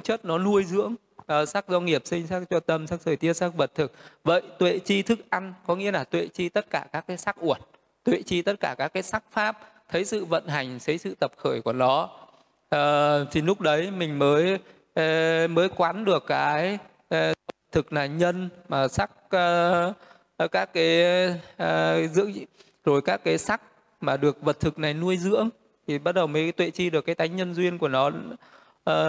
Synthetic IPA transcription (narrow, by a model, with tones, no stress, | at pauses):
t͡ɕə˦˥t̚nɔ˨˦nu˧əjzɨ̰˧˥əŋ | ʔəː˨˩sa˦˥k̚zɔ˧ŋi˨˩əp̚sï˧ŋ̟sa˦˥k̚t͡ɕɔ˧t̪ə˧msa˦˥k̚zəː˧˩jt̪i˦˥ət̚sa˦˥k̚və˨˩t̚t̪ʰɨ˨˩k̚və̰˧˨jt̪wḛ˧˨t͡ɕi˧t̪ʰɨ˦˥k̚ʔa˧ŋkɔ˨˦ŋḭ˧˥əlaː˨˩t̪wḛ˧˨t͡ɕi˧t̪ə˦˥t̚kaː˧˩kaː˦˥kːaː˨˦jsa˦˥k̚ʔu˧˩ən̚ | t̪wḛ˧˨t͡ɕi˧t̪ə˦˥t̚kaː˧˩kaː˦˥kːaː˨˦jsa˦˥k̚faː˦˥p̚ | t̪ʰə˨˦jsɨ̰˧˨və̰˧˨nɦa˨˩jŋ̟sə˨˦jsɨ̰˧˨t̪ə˨˩p̚xəː˧˩jku˧˩ənɔ˨˦ | ʔəː˨˩t̪ʰi˨˩lʊ˦˥k͡p̚ɗə˨˦jmï˨˩ŋ̟məː˨˦j | məː˨˦jkwa˨˦nɗɨ˨˩əkːaː˨˦j | ə˨˩t̪ʰɨ˨˩k̚naː˨˩ɲə˧nmaː˨˩sa˦˥k̚ː | kaː˦˥kːaː˨˦j | zɨ̰˧˥əŋ | zo˨˩jkaː˦˥kːaː˨˦jsa˦˥k̚ | maː˨˩ɗɨ˨˩ək̚və˨˩t̚t̪ʰɨ˨˩k̚na˨˩jnu˧əjzɨ̰˧˥əŋ | t̪ʰi˨˩ɓa˦˥t̚ɗə˨˩wməː˨˦jt̪wḛ˧˨t͡ɕi˧ɗɨ˨˩əkaː˨˦t̪aː˨˦jɲə˧nzwi˧ənku˧˩ənɔː˨˦˨